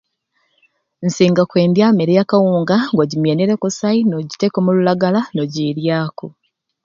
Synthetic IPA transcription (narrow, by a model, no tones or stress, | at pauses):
nsiːŋɡakwe̞ːndjameɾejakawuːŋɡaŋɡwaɟimjeneɾekusainoɟite̞komululaɡalanoɟiːɾjaːko